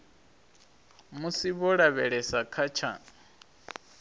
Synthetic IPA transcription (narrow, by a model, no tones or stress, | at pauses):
musiβɔɺaβɛɺɛsakʰat͡ʃʰa